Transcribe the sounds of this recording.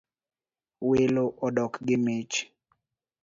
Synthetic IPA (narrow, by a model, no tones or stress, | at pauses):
weloʔɔdɔkɡɪmet͡ʃ